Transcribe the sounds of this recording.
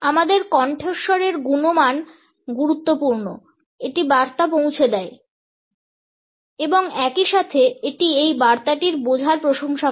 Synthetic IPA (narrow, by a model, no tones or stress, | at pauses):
amad̪eɾkɔɳʈʰeʃoɾeɾɡunoman | ɡuɾut̪ːopuɾno̰ | eʈibaɾt̪ap̬owt͡ɕʰed̪ɛe | eboŋɛkiʃat̪ʰeeʈiejbaɾt̪aʈiɾbod͡ʑʱaɾpɾoʃoŋʃa